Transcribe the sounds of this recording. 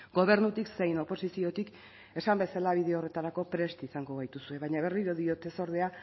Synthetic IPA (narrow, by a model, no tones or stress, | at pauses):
ɡo̞β̞e̞ɾnut̪ikse̞jno̞po̞sisio̞t̪ik | e̞sambe̞salaβ̞iðe̞o̞re̞t̪aɾako̞pɾe̞st̪isaŋɡo̞β̞ajt̪usue̞βajɲaβ̞e̞riɾoðio̞t̪e̞so̞ɾð̞e̞a